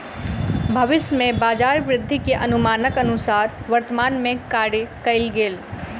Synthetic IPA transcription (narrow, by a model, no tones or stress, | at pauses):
bʱɐʋɪsmẽbaːd͡ʒaːɾʋɾɪd̪ʱːikeʔɐnʊmaːnəkɐnʊsaːɾʋɐɾt̪əmaːnmẽkaːɽekɐɪlɡeːl